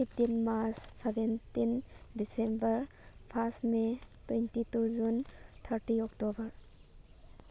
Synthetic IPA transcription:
pʰipʈinmaɾsːɛbent̪inɖisẽmbəɾ | pʰasʈmetwẽnʈit̪ud͡ʒunt̪ʰəɾʈiɔkʈobəɾ

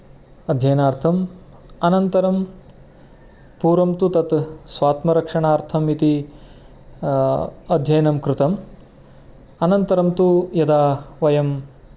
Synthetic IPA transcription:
ɐd̪ʱjɐjɐnaːɾt̪ʰɐm | ɐnɐnt̪ɐɾɐm | puːɾɐmt̪ut̪ɐt̪sʋaːt̪mɐɾɐkʂɐɳaːɾt̪ʰɐmit̪i | ɐd̪ʱjɐjnɐmkɾɪt̪ɐm | ɐnɐnt̪ɐɾɐmt̪ujɐd̪aːʋɐjɐm

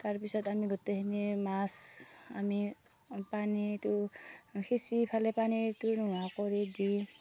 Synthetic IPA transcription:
t̪aɾpisɔd̪amiɡʱɔt̪ekʰinimasa̰mipanit̪ukʰisipʰalepanit̪unuwakɔɾid̪i

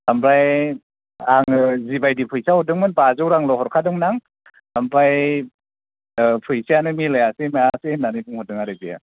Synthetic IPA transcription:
ampɾaj | aŋɯzibajdipʰɯjsahɔdɯŋmɯnbazɔwɾaŋlɔhɔɾkʰadɯŋnaŋ | ampɾaj | pʰɯjsijanɯmilajasemajasenːanɯbɯŋhɔt̚dɯŋaɾɯzija̰

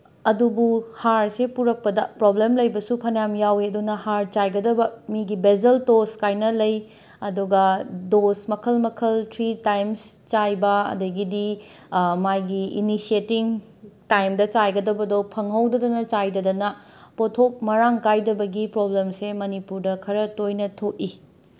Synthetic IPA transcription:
ɐdubuhaɾsepuɾɐk̚pɐdɐpɾoblemlɐjbɐsupʰɐnjamjaweɐdunɐhaɾt͡ʃajɡɐdɐbɐmiɡibezɐltoskajnɐlɐj | ɐduɡɐdosmɐkʰɐlmɐkʰɐltɾitajmst͡ʃajbɐɐ̰dɐɡidi | majɡiinisietiŋ | tajmdɐt͡ʃajɡɐdɐbɐdopʰɐŋɦɐwdɐdɐnɐt͡ʃajdɐdɐnɐpotʰok̚mɐɾaŋkajdɐbɐɡipɾoblemsemɐnipuɾdɐkʰɐɾɐtojnɐtʰok̚i

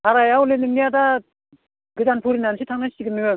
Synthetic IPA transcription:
aɾajawlenɯŋnijada | ɡɯzanpʰuɾinansʰit̪ʰaŋnasiɡɯnɯɯ

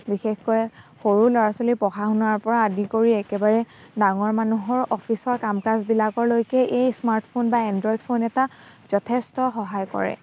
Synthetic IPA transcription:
bixexkɔjxoɹulɔɹasolipɔxaɦʊnaɹpɔɹaːdikoɹiɛkɛbaɹɛdaŋɔɹmanuɦɔɹɔpʰisɔɹkamkasbilakɔɹlojkɛʔejsmaɹtʰpʰonbaɛndɹɔjdpʰonɛtaz̥ɔtʰestɔxɔɦajkɔ̰ɹɛ̰

